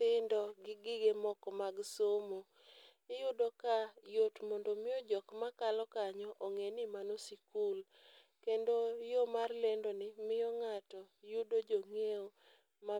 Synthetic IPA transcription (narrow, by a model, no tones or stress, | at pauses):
ɪndɔɡɪɡɪɡemɔkɔmaɡsomo | ɪjʊdokajotmondomɪjɔd͡ʒɔkmakalɔkaɲɔʔoŋenɪmanosikul | kendojomarlendonɪmɪjɔŋatɔjʊdod͡ʒoŋeo | ma